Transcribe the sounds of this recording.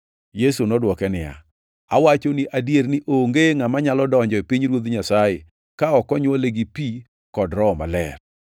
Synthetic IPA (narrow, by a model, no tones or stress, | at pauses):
jesunɔdwɔkɛnɪja̰ | a̰wat͡ʃoniʔadjeɾnɪʔoŋɡeŋamaɲalɔdɔɲd͡ʒɔepiɲɾwod̪ɲasaje | kaɔkɔɲwoleɡipi | kɔdɾɔma̰lɛ̰r